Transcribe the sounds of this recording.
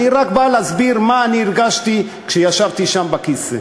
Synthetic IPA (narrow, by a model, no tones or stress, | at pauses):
niʁakbaleazbiɾmaːniːɾɡaʃt̪i | kʃejaʃavt̪iʃambakisḛ